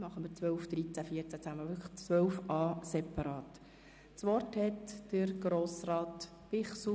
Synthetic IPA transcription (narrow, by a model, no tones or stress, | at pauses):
mɑχəmət͡sʋœlfd̥̪ɾit͡sæfiːəɾt͡sæt͡sæməʋʏkʰə̥χt͡sʋœlfɑːsɛpɑɾɑːt | t͡sʋɔrthɛtd̥əɾɡ̥ɾoːsrɑːt | pɪχs